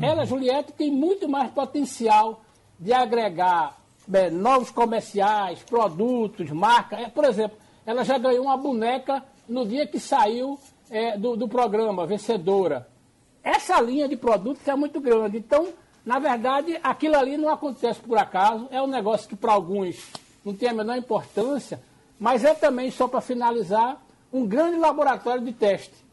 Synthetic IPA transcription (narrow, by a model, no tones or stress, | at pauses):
ɛlɐʒuliɛt̪ɪ̥t̪ẽj̃mũj̃t̪ʊmajspɔt̪ẽsiaw | d͡ʒ̪ɪaɡɾɛɡaɾ | ɛnɔvʊskomɛɾsiajspɾɔd̪ut̪ʊsmaɾkɐɛpoɾezẽmplʊ | ɛlɐʒaɡɐ̃ɲoũmɐbũnɛkɐ | nʊd̪iɐkɪsaiw | ɛd̪ʊd̪ʊpɾɔɡɾɐ̃mɐvẽsed̪oɾɐ | ɛsɐlĩɲɐd̪ɪpɾɔd̪ut̪ʊzɛmũj̃t̪ʊɡɾɐ̃nd͡ʒ̪ɪẽnt̪ɐ̃w̃ | nɐvɛɾd̪ad͡ʒɪʔakilʊalinɐ̃w̃akõt̪ɛsɪ̥poɾakazʊɛũnɛɡɔsjʊ̥kɪpɾɐawɡũs | nɐ̃w̃t̪ẽɐmenɔɾĩpoɾt̪ɐ̃sijɐ | mɐjzɛt̪ɐ̃mbẽj̃sɔpɾɐfinalizaɾ | ũɡɾɐ̃d͡ʒ̪ɪlaboɾat̪ɔɾjʊd̪ɪt̪ɛʃt̪ɪ̥